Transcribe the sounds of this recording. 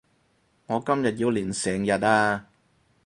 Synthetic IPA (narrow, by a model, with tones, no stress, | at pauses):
ŋɔː˨˧kɐ˥mjɐ˨t̚jiː˨˧wliː˨˩nsɛː˨˩ŋjɐ˨t̚aː˧